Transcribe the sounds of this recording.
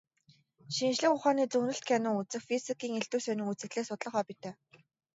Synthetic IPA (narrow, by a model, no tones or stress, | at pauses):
ʃinʃɮɘ̆xʊχaːniːt͡sɵnɵ̆ɬt̪̚kʰænʊːŋut͡sɘ̆xfisikiːŋeɬt̪uːsœnɪ̆ŋut͡sɘ̆kɮeːsʊt̪ɮə̆χɔːpit̪ʰeː